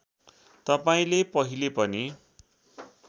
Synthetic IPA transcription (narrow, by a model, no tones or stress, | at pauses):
t̪ʌpaĩlepʌɦilepʌni